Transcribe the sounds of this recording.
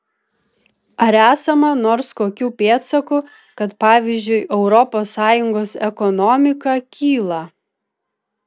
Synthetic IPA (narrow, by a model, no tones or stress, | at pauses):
ɐɾæːsɐmɐnoːɾskoːkʲuːpʲeːt̪sɐkʊ | kɐt̪pɑːʋʲiːzʲd͡ʒʲʊɪʔɛʊɾɔpoːsːɑːjʊŋɡoːsɛkɔnɔmʲɪkɐkʲʰiːlˠɐ